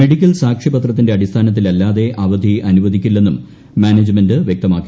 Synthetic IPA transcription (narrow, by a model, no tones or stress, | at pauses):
meɽikʲːɐlsaːkʂibɐt̪rɐt̪ːinde̞ɐɽist̪ʰaːnɐt̪ːilɐlːaːðe̞ʔɐʋɐd̪ʱiɐnuʋɐd̪ʱikʲːulːe̞nːum | maːneːd͡ʑmendɨʋjek̚t̪ɐmaːkːi